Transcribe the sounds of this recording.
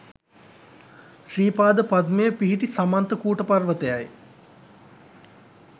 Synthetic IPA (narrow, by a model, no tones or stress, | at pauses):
ʃɾiːpaːd̪əpad̪mejəpiɦiʈisamant̪əkuːʈəparʋət̪əjaj